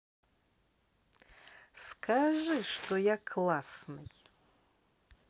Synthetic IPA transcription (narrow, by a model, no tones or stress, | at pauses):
skʰaʐɨʂt̪ojakʰlˠasnɨj